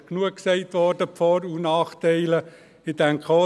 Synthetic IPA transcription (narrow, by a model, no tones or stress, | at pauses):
knuəksɛɪt̪ʋɔɾdəpfɔɾunɑːχtɛɪlə | ɪdɛŋkʰo